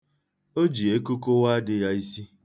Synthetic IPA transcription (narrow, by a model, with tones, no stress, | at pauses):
o˦d͡ʒi˨e˦ko˦ko˦wa˦dɪ˦ja˦i˦si˦